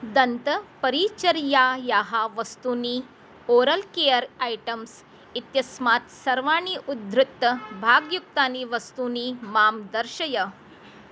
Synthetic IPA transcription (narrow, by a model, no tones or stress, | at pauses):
d̪ənt̪əpəɾiːt͡ɕəɾjajaɦaʋəst̪uːniː | oɾəlkejəɾajʈəms | it̪jɐsmaːt̪sɐɾʋaːɳiːʔud̪ɾɪt̪ːəbʱaɡjuk̚t̪aniːʋəst̪uniːmaːmd̪əɾʃəjə